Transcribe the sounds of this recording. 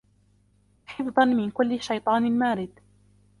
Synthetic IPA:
ħɪfðˤɑnmɪnkʊlːɪʃːajt̪ˤɑːnɪlmaːɾɪd̪

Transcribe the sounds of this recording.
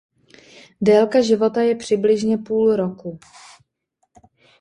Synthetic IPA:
dɛːlkaʒɪvo̞t̪ajɛpr̝̥ɪblɪʒɲɛpuːlɾo̞ku

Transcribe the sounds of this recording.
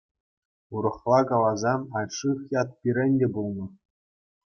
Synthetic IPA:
uɾɤ̆χlˠɑkɑlˠɑzɑnɑjʲʂɯχjɑt̪̚pʲiɾʲɘ̆nʲdʲebulˠnɤ̆

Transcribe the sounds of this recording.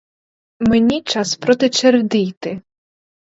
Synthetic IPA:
menʲit͡ʃɑspɾɔt̪ɪt͡ʃerd̪ijt̪ɪ

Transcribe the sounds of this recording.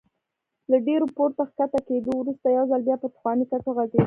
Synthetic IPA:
laɖeɾopoɾt̪əxkat̪aked̪owɾust̪ajawzalbjɑpət̪ʊ̥xwɑnikaʈoɣaɡed̪

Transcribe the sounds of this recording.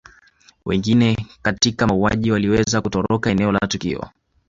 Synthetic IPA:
wɛ̰ŋɡinɛkatikaaua̰ʄiwaliwɛzakutɔɾɔkaɛnɛɔla̰tukḭɔ̰

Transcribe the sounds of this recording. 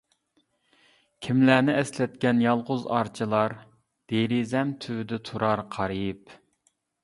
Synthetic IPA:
kʲʰimlæːnɪɛslɛt̪̚kʲɛnjɑlˠʁʊzɑ̰ɾt͡ʃʰilˠɑɾ | d̪̥eɾizɛmt̪ʰywyd̪ɛt̪ʰuɾɑɾqʰɑɾɨp

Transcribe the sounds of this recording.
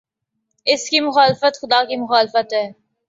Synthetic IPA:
ɪskimʊxaːlɪfət̪xʊd̪aːkimʊxaːlɪfət̪ɦɛː

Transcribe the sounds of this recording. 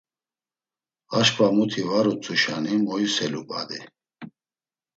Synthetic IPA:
aʃkʼvamut̪ʰivaɾut͡sʼuʃanimɔjusɛlupʼa̰d̪i

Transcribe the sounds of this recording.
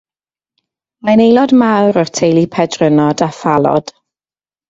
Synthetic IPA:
manejlˠɔdmawɾɔrtʰejlˠipʰɛdrənɔdafalˠɔ̰d̥

